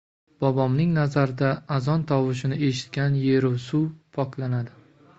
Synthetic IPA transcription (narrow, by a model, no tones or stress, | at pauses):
b̥ɒbɒmnɪŋnazaɾɪd̪aːzɒnt̪ʰɒvɪʃ̬ɪnɪe̞ʃɪ̥t̪̚kʲanje̞ɾʊwsupʰɒkʰlanad̪ɪ